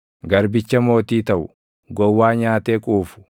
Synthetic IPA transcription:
ɡɐɾbɪt͡ʃːɐmo̞ːt̪iːt̪ɐʔʊ̰ | ɡɔwːaːɲaːt̪eːkʼuːfʊ̥

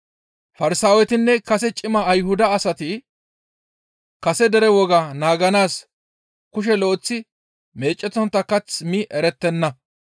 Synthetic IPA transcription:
fɐɾɪsaːwɛt̪ɪnːɛkɐsɛt͡ʃʼɪmɐːjhʊd̪ɐːsɐt̪ɪ | kɐsɛd̪ɛɾɛwɔɡɐnaːɡɐnaːs | kʊʃ̬ɛloːt͡sːɪ | me̞ːt͡ʃʼːɛt̪ːɔnt̪ːɐkːɐt͡smɪʔɛɾɛt̪ːɛnːɐ

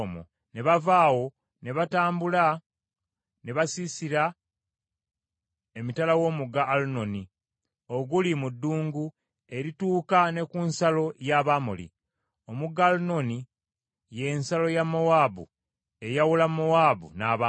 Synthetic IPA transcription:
mo̰ | ne̞βavaːwo̞ | ne̞βataːmbula | ne̞βasisiɾa | emitalawo̞ːmuɡaʔːluno̞ni | oɡulimudːuːŋɡu | e̞ɾituːkane̞kunsalo̞jaːβamo̰lḭ | o̞muɡaluno̞ni | je̞ːnsalo̞jamːowaːbṵ | e̞jawulamowaːbṵnaːβa

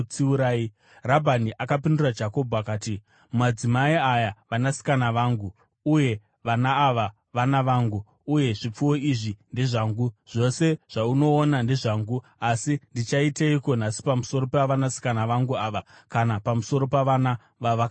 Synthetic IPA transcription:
t͡siuɾaːi | rabʱaniʔakapindurad͡ʒako̞bʱuakaːti | mmad͡zimaiajaʋanasi̥kanaʋaːŋɡu | uje̞ | ʋanaːʋa | ʋanaʋaːŋɡuː | je̞ʐip͡fuwo̞iʐinde̞ʐaːŋɡuʐ̥o̞se̞ʐ̥auno̞ːnande̞ʐaːŋɡu | asindit͡ʃaiteiko̞nasi̥pamuso̞ɾo̞paʋanasi̥kanaʋaŋɡuaʋakanapamuso̞ɾo̞paʋana | ʋaʋaka

